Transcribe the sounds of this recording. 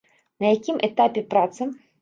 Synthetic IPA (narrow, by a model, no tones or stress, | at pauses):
nɐjakʲimʔɛt̪apʲɛpɾat̪sɨ